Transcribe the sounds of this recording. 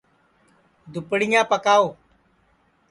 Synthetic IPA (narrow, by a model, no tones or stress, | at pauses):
d̪ʊpɽɪjãːpəkaːoː